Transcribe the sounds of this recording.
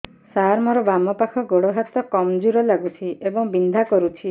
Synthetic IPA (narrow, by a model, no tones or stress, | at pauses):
saɾmɔɾɔbamɔpakʰɔɡoɽɔɦat̪ɔkɔmd͡ʒuɾɔlaɡut͡ʃʰiebɔŋbind̪ʱakɔɾut͡ʃʰi